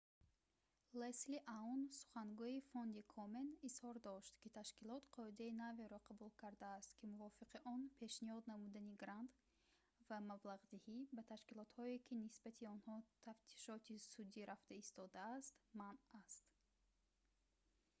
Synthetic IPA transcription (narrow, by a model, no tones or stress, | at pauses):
lesliʔaunsu̥χaŋɡuifond̪ikʰɔme̞nishɔɾd̪ɔʃt̪kit̪ʰaʃkilɔt̪qʰɔid̪ainaveɾɔqʰabulkʰaɾd̪aːst̪kimuvɔfiqiʔɔnpʰe̞ʃnihɔd̪namud̪aniɡɾand̪ | vamablaʁd̪ihibat̪ʰaʃkilɔt̪hɔekʰinisbat̪ʰiɔnhɔt̪ʰaft̪ʰi̥ʃɔt̪ʰisud̪iɾaft̪aist̪ɔd̪aːst̪manast̪